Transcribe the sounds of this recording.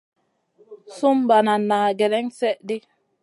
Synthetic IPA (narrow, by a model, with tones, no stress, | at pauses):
su˦mba˨na˨nːa˨ɡɛ˨ɾɛ˦ŋsɛ˦ʔdi˦